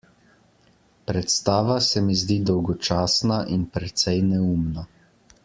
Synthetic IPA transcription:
pɾɛt̪st̪aːʋasɛmizd̪iːd̪ɔwɡɔt͡ʃaːsnaʔinpɾɛt̪sɛjnɛuːmna

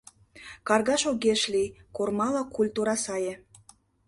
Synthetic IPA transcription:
kɑrɣɑʃoɣeʃlʲijkormɑlɑkulʲt̪uɾɑsɑjĕ

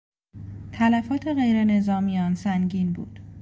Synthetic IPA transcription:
t̪ʰælæfɒːt̪ʰe̞ɣe̞jɾe̞ne̞zɒːmijɒːnsæŋɟiːnbṵːd̪̥

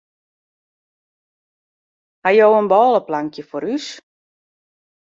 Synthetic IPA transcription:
hajowənbɔːləplaŋkjəfoɾys

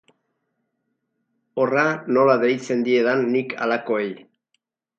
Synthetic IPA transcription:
o̞rano̞laðe̞jt͡se̞nd̪ie̞ðanːikʰa̰lako̞e̞j

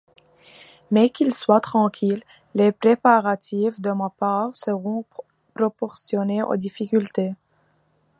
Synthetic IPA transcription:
mɛkʲilswat̪χɑ̃kʰʲilː | epχepaʁat̪ʰivd̪əmapaːʁsəʁɔ̃ | pχɔpɔʁsjɔneʔo̰d̪ifikʲylt̪e

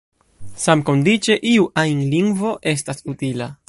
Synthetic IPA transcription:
samko̞ndit͡ʃe̞ʔiuʔajnliŋɡvo̞ʔe̞s̬tasutila

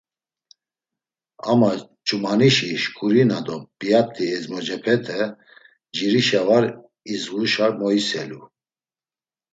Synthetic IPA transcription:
amat͡ʃʰʼumaniʃiʃkʰʼuɾinad̪ɔbijat̪ʰʼːiɛzmɔd͡ʒɛpʰɛt̪ʰɛ | d͡ʒiɾiʃavaɾ | izɣuʃaɾmɔisɛlu

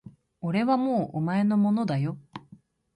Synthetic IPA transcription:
o̞ɾe̞βamoːʔomae̞no̞mo̞no̞d̪ajo̞

